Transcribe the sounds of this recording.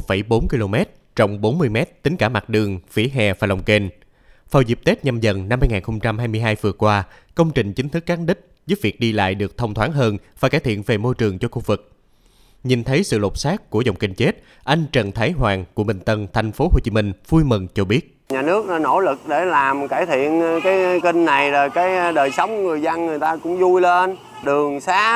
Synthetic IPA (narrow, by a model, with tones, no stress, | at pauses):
fə˧˩jɓo˨˦nki˧lo˧mɛ˦˥t̚ | t͡ɕɔ̰˧˨wŋ͡mɓo˨˦nmɨ˧əjmɛ˦˥t̚t̪ï˨˦ŋ̟kaː˧˩ma˨˩t̚ɗɨ˨˩əŋfi˧˩˦ɦɛ˨˩vaː˨˩la˨˩wŋ͡mke˧n | faː˨˩wzi˨˩p̚t̪e˦˥t̚ɲa˧mzə˨˩nna˧mhaː˧jŋaː˨˩nxə˧wŋ͡mt͡ɕa˧mhaː˧jmɨ˧əjɦaː˧jvɨ˨˩əkwaː˧ | kə˧wŋ͡mt͡ɕï˨˩ŋ̟t͡ɕï˨˦ŋ̟t̪ʰɨ˦˥kːaː˨˦nɗï˦˥k̟̚zəː˨˦vi˨˩ək̚ɗi˧la̰ː˧˨jɗɨ˨˩ək̚t̪ʰə˧wŋ͡mt̪ʰwaː˨˦nɦəː˧nvaː˨˩kaː˧˩jt̪ʰḭ˧˨ənve˨˩mo˧jt͡ɕɨ˨˩əŋt͡ɕɔ˧xu˧vɨ˨˩k̚ | ɲi˨˩nt̪ʰə˨˦jsɨ̰˧˨lo˨˩t̚saː˦˥kkːu˧˩əzə˨˩wŋ͡mkï˧˩ŋ̟t͡ɕe˦˥t̚ | ʔa˧jŋ̟t͡ɕə˨˩nt̪ʰaː˨˦jɦwaː˨˩ŋku˧˩əmï˨˩ŋ̟t̪ə˧˩nt̪ʰa˨˩jŋ̟fo˨˦ho˨˧˩t͡ɕi˨˦mï˧ŋ̟v̥u˧jmə˨˩nt͡ɕɔ˧ɓi˦˥ət̚ɲaː˨˩nɨ˦˥ək̚no˧˩lɨ˨˩k̚ɗe˧˩laː˨˩mkaː˧˩jt̪ʰḭ˧˨ənkaː˨˦jki˧ŋna˨˩jzo˨˩jkaː˨˦jɗəː˨˩jsə˨˦wŋ͡mŋɨ˨˩əjzə˧nŋɨ˨˩əjt̪aː˧kʊ̰˧˥ŋ͡mzu˧jle˧n | ɗɨ˨˩əŋsaː˨˦